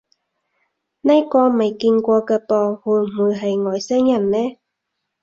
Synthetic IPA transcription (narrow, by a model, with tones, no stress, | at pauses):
nɐ˥kɔː˧mɐ˨jkiː˧nkʷɔː˧kɛː˧pɔː˧huː˧m˨uː˨˧jɦɐ˨jŋɔː˨˩jsɛ˥ŋjɐ˨˩nːɛː˥